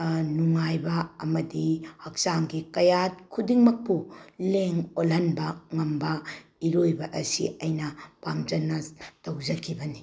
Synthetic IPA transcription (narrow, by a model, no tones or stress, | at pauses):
nuŋajbɐɐmɐdihɐk̚saŋɡikɐjat̚kʰudiŋmɐk̚puleŋolɦɐnbɐŋɐmbɐiɾojbɐʔɐsḭɐjnɐpamd͡ʒɐnːɐtɐwd͡ʒɐkʰibɐni